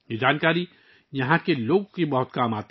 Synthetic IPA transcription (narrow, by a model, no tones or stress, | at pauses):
jed͡ʒaːnkaːɾi | jɐɦãkeloːɡõkibɐɦʊt̪̚kaːmaːt̪